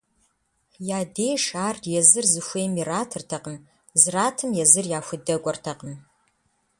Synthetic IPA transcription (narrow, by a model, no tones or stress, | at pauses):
jaːdeːʂaːrjɛzɨrzɨxʷeːmiraːtʰɨrtʰɐqəm | zɨraːtʰɨmjɛzɨrjaːxʷʊdɐɡʷʼɔrtʰɐqəm